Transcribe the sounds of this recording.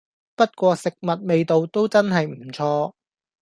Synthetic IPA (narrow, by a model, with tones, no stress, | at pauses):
pɐ˥t̚kʷɔː˧sɪ˨k̚mɐ˨t̚me˨˧jt̪o˨wt̪o˥wt͡sɐ˥nɦɐ˨jm̩˨˩t͡sʰɔː˧